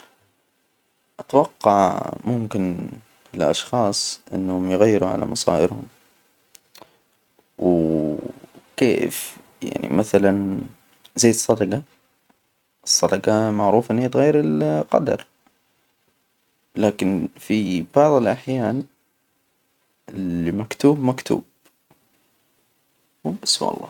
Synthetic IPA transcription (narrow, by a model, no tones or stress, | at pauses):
ʔat̪wɑqːɑʕmʊmkɪn | fɪlʔɑ̰ʃxɑːsˤʔɪ̰nːhʊmjɪɣajːɪɾuʕa̰la̰mɑsˤɑ̰ːʔɪɾhʊ̰m | w | kḛːf | ja̰ʕnḭmaθalan | zajːsˤːɑd̪ɑɡɑ | ʔsˤːɑd̪ɑɡɑmaʕɾuːfʔɪnːhiːt̪ɣajːɑɾɪlqɑ̰d̪ɑ̰ɾˤ | laːkɪnfib̥ɑʕðˤɨlʔaħjaːn | ɪmakt̪uːbmakt̪ʰṵːb̚ | wʔɪswʔɑ̰lˤːɑ̰ː